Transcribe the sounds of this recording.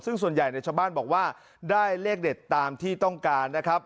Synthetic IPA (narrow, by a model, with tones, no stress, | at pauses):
sɯ˥˩ŋsu˨˩ənja˨˩jna˧jt͡ɕʰaː˧wbaː˥˩nbɔː˨˩k̚waː˥˩ | daː˥˩jleː˥˩k̚de˨˩t̪ːaː˧mt̪ʰiː˥˩t̪ɔ˥˩ŋkaː˧nːa˦˥kʰɾa˦˥p̚